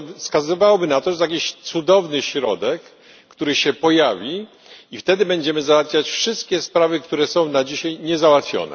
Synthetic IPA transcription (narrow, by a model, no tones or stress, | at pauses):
fskazɨvawɔbɘnat̪ɔʐɛzajakʲiɕt̪sud̪ɔvnɘɕɾɔd̪ɛkː | t̪uɾɘɕɛpɔjavʲi | ift̪ɛd̪ɘbɛɲd͡ʑɛmɘzawat̪fʲjat͡ɕfʂɘst̪kʲɛspɾavɘk̚t̪uɾɛsɔ̃w̃nad͡ʑiɕajɲɛzawat̪fʲjɔ̰nɛ̰